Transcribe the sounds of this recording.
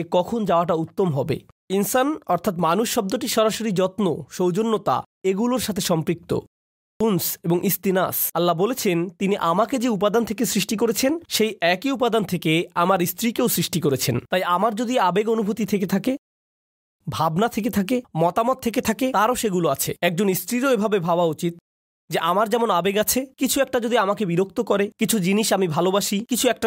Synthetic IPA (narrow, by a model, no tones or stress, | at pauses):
kɔkʰond͡ʑaoaʈaut̪ːomɦɔbḛ | insanɔɾt̪ʰat̪manuʃːɔb̚d̪oʈiʃɔɾaʃoɾid͡ʑɔt̪no̰ʃowd͡ʑonːot̪a̰ | eɡuloɾʃat̪ʰeʃɔmpɾik̚t̪o̰ | unseboŋʔist̪inasɐlːabolet͡ɕʰent̪iniʔamaked͡ʑeupad̪ant̪ʰekesɾiʃʈikoɾet͡ɕʰenʃejɛkiup̬ad̪ant̪ʰekeamaɾist̪ɾikeosɾiʃʈikoɾet͡ɕʰent̪ajamaɾd͡ʑod̪iabeɡonubʱut̪it̪ʰeket̪ʰake | bʱabnat̪ʰek̬et̪ʰak̬emɔt̪amɔt̪̚ʰːeket̪ʰaket̪aɾoʃeɡuloat͡ɕʰeɛk̚d͡ʑonist̪ɾiɾoebʱabebʱabaut͡ɕit̪̚ | d͡ʑeʔamaɾd͡ʑɛmonabeɡat͡ɕʰekit͡ɕʰuɛk̚ʈad͡ʑod̪iamakebiɾok̚t̪okɔɾekit͡ɕʰud͡ʑiniʃamibʱalobaʃikit͡ɕʰuɛk̚ʈa